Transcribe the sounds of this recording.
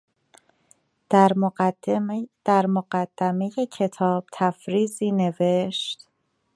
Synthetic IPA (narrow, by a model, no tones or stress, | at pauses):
ɾ | d̪̥æɾmoɢæd̪̥ːæme̞je̞cʰe̞t̪ʰɒːb̥̚t̪ʰæfɾiːziːne̞ve̞ʃt̪